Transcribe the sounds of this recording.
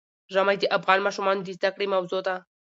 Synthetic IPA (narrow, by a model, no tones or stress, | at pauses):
ʒamajd̪əʔafɣɑnmɑʃumɑnod̪əzd̪akɽemawzod̪a